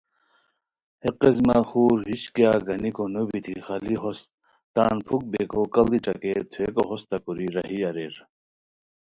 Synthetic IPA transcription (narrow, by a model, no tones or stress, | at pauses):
heqezmaxuːɾɦiɕkjaɡɐnikonobit̪ʰixɐliɦost̪̚ | t̪aːnpʰuk̚bekʰokɐld̪iʈ͡ʂɐ̰ket̪ʰwekoɦost̪ɐkuɾiɾɐɦiɐɾeɾ